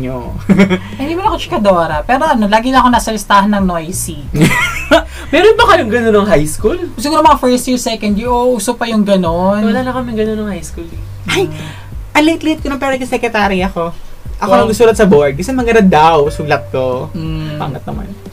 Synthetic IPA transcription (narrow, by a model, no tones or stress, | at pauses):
ɲo | ɐd̪iːmɐnɐkot͡ʃɪ̥kɐd̪oːɾɐpɛːɾoʔɐnolaːɡɪlɐʔɐkonaːsɐlɪst̪aːhɐnːɐŋnojsi | mɛɾonbɐkɐjoŋɡɐnonːɐŋɦajskulsɪɡuːɾomɐŋafɛɹst̪jiɹsɛkɐnd̪jʊʔoʔuːsopɐjʊŋɡɐnonwɐlaːlɐkɐmjʊŋɡɐnonɐŋhajskul | ʔaj | ʔɐnleɪt̪lehɪt̪̚konɐmpɛːɾokɐsɛkɾɛt̪aːɾiɐko̞ʔɐkonɐɡʊsuːɾɐt̪̚sɐboɹd̪ɪsɐmɐɡɐɾɐd̪awsʊɡlɐt̪̚kopa̰ŋɐt̪̚nɐ̰ma̰n